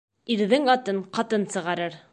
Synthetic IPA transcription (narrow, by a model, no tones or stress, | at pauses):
iɾðɘŋɑt̪ɤɴqɑt̪ɤnsɤ̆ʁɑɾɤɾ